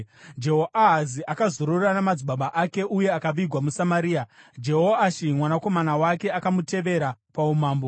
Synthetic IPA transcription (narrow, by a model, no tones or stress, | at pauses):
d͡ʒe̞ɦoʔaɦaziʔakazoɾorranamad͡ziɓaɓaʔake̞ʔuje̞akaʋiɡʱwamusamaɾiːad͡ʒe̞ɦoaʃimwanako̞manawake̞akamute̞ʋe̞ɾapaumaːmbo̞